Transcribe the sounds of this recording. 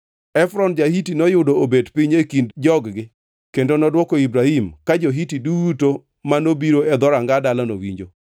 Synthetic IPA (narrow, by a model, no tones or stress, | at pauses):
ɛfɾɔnd͡ʒahitinɔjʊdoobedpiɲekindd͡ʒɔɡɡɪ | kendonɔdwɔkɔibɾahimkad͡ʒoɦitiduto | manobiɾoɛd̪ɔɾaŋɡadalanowḭɲd͡ʒo